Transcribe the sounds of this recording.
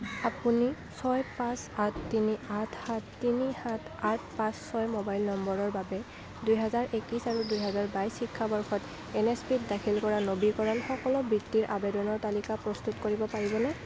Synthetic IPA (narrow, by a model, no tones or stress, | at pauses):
apuni | sɔjpãsatʰtiniatʰhatːinihatʰ | atʰpãsːɔjmobajlnɔmbɔɹɔɹbabɛ | dujɦɛzaɹʔekisaɹudujɦɛzaɹbajsxikʰːabɔɹxɔt | ɛnespitdakʰilkɔɹanobikɔɹanxɔkɔlɔbitːiɹʔa̰bedɔnɔɹtalikapɹɔstutkoɹibɔpaɹibɔnɛ